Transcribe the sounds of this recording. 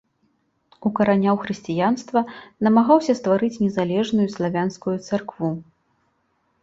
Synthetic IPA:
ukɐɾanʲawxɾɨsʲt͡sʲijanst̪vɐnɐmaɣawsʲɐst̪vaɾɨt͡sʲnʲɛzalʲɛʐnujuslˠavʲanskujut̪sarkvu

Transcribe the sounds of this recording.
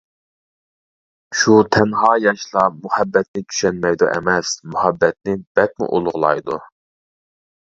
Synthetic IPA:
ʃut̪ʰɛnhɑːjɑʃlˠɑmuhɛbːɛt̪̚nɪt͡ʃ̪ʰy̥ʃɛnmɛjd̪ṵʔɛ̰mɛsmuhɛbːɛt̪̚nɪb̥ɛt̪̚mṵʔolˠʊʁlˠɑ̰jd̪ṵ

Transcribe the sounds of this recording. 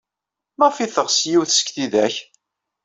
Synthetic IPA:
mæʁfiθəʁsjiwθsə̥kθiðæç

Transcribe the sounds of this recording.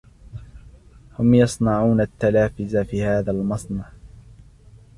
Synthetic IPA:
hʊmjɑsˤnɑʕuːnat̪ːalaːfɪzafiːhaːðalmɑsˤnɑʕ

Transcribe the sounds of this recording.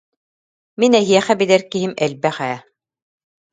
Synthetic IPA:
minɛɦiɛχæbid̪ɛɾkiɦimɛlbæχæ

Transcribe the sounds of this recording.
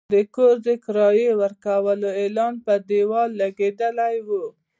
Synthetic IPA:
d̪əkoɾd̪əkɪɾɑjewəɾkawəloelɑnpəd̪ewɑlːaɡed̪əlajwu

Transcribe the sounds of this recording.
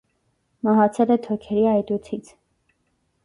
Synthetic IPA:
mɑɦɑt͡sʰɛlɛt̪ʰɔkʰɛɾiɑjt̪ut͡sʰit͡sʰ

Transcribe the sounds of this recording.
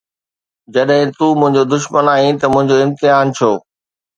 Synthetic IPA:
d͡ʑɐɗɦɪ̃t̪uːmʊ̃ɦɪ̃ɲd͡ʑod̪ʊʃmənaːĩt̪ɐmʊ̃ɦɪ̃ɲd͡ʑoɪ̃mt̪ɪɦaːnt͡ɕʰoː

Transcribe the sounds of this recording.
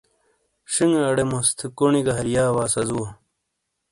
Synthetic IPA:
ʂiŋɐɽemost̪ʰikoɳiɡɐɦɐɾjaːwaːsɐzuwɐ

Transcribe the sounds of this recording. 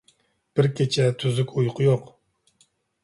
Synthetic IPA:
b̥ɪɾkʲet͡ʃʰɛt̪ʰyzykʲujqʰʊjoq

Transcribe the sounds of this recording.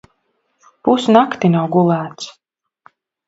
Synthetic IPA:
pusnakt̪inawɡulˠæːt̪s

